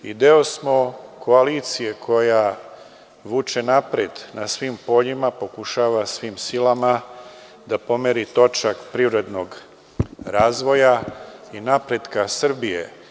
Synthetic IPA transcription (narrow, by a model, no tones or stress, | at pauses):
id̪eosmo̞kʰo̞aliːt̪sije̞kʰo̞ja | ʋuːt͡ʃe̞napɾed̪nasʋimpo̞ʎimapo̞kuʃaːʋasʋimsilama | d̪apo̞meɾit̪o̞t͡ʃakpɾiːʋɾe̞d̪no̞ɡ | ɾaːzʋo̞jainapɾe̞d̪kasr̩bijḛ